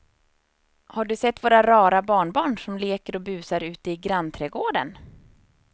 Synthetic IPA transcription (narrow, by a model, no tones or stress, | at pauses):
haɖɵsɛt̪ːvoːɾaɾɑːɾabɑːɳbɑːɳʂɔmleːkəɾɔbʉ̟ːsaɾʉ̟ːt̪əɪɡɾant̪ʰɾɛːɡoːɖə̰n